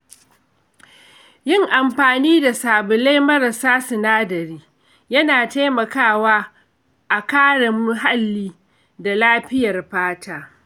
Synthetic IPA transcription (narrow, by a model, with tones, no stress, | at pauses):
jɪ˦ŋʔa˨mɸaː˨niː˦da˨saː˨bʊ˨la˦jmɐ˦ɾɐ˨saː˦sʊ˨naː˦dɐ˨ɾiː˦ | jɐ˦naː˨ta˦jmɐ˨kaː˦˨waː˦ | ʔa˨kaː˦ɽɐ˨mʊ˦ɦa˦lːiː˦ | da˨laː˦ɸɪ˦jɐ˨rɸaː˦tʰaː˦